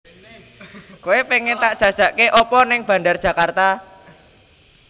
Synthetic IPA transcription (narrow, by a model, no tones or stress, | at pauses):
kuepeŋent̪aʔdʒ̥a̤d̥ʒ̥a̤ʔkeʔɔpɔnɪŋb̥ä̤ndard̥ʒ̥ä̤kart̪a